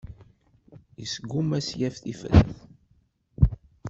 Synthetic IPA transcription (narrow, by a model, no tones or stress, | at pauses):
jəsɡumæsjæfθifə̰θθ